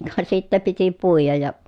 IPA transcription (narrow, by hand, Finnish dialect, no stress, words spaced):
kɑ sitːæ piti puijɑj jɑ